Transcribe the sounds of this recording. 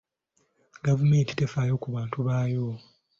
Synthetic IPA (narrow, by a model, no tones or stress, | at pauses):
ɡavume̞ːnti̥tefaːjo̞kuβaːntuβaːjo̞